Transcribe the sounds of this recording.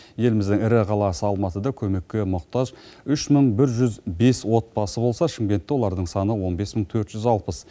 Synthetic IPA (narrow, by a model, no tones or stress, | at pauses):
je̞lɪmɪzd̪ɪŋɪɾɪqʰɑlˠɑsəɑlˠmɑt̪əd̪ɑkʲʰɵme̞kʲːe̞mʊqt̪ɑʒʏʃməɴbɪɾʒʏzbe̞swo̞t̪̚pɑsəbo̞lˠsɑʃɪmɡʲe̞nt̪ːewolˠɑɾd̪əɴsɑnəwo̞nbe̞sməɴt̪ʰɵɾt̪ʒ̥ʏzɑlˠpəs